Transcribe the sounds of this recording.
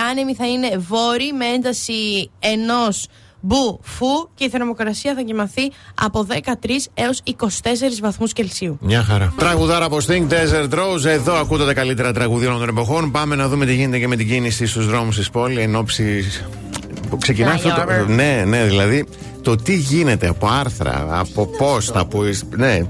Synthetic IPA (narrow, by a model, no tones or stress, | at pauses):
ɐnemiθɐine̞vo̞ɾimee̞nd̪ɐsie̞no̞s | bufuce̞iθe̞ɾmo̞kɾɐsiɐθɐcimɐθiɐ̰po̞ðe̞kɐt̪ɾise̞o̞siko̞si̥t̪e̞s̬e̞ɾizvɐθmusce̞lsiumɲɐxɐɾɐt̪ɾɐɣuðɐɾɐpost̪iŋɡ̚t̪ezeɾt̪ɾo̞wze̞ðo̞ɐkut̪ɐt̪ɐkɐlit̪e̞ɾɐt̪ɾɐɣuðionɐnd̪one̞po̞xo̞npɐme̞nɐðume̞t̪iʝine̞t̪eceme̞t̪iɟinisist̪uzðɾo̞mus̬t̪ispo̞lieno̞psi | kse̞cinnɐɐft̪oone̞ne̞ðilɐði | t̪o̞t̪iʝine̞t̪e̞ɐpo̞ɐɾθɾɐ̰ɐ̰popo̞sθɐpoisne